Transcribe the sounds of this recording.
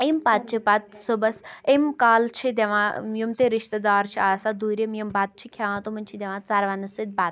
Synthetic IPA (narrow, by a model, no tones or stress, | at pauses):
empaːt̪̚t͡ʃʰipat̪sobɐsemkaːlt͡ʃʰid̪ʲeʋãːjumt̪eɾiʃt̪ɐd̪aːɾt͡ʃʰiaːsad̪uɾemjɐmbaːt̪̚t͡ʃʰikʰaʋãːt̪omɐnʲt͡ʃʰid̪ʲeʋãːt͡saɾʋanɐsɨd̪̚bat̪